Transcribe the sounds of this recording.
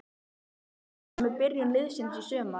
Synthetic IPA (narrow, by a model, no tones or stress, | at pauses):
mɛɾpɪrjɪnlɪðsɪnsɔsœːma